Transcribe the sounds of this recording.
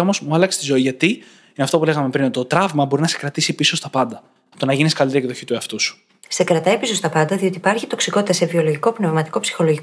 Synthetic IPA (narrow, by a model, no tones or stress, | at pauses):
omozmuɐlɐkse̥st̪izo̞iʝɐt̪i | inɐft̪o̞pule̞ɣɐme̞pɾinot̪it̪ot̪ɾɐvmɐbo̞ɾinɐse̞̥kɾɐt̪isipiso̞st̪ɐpɐnd̪ɐ | ɐft̪onɐʝiniskɐlit̪eɾikðoçit̪ueɐft̪usu̥ | se̞kɾɐt̪ɐjpiso̞st̪ɐpɐnd̪ɐðio̞t̪ipɐɾçit̪o̞ksiko̞t̪it̪ɐse̞vio̞lo̞ʝiko̞pne̞vmɐt̪i̥ko̞psi̥xo̞lo̞ʝi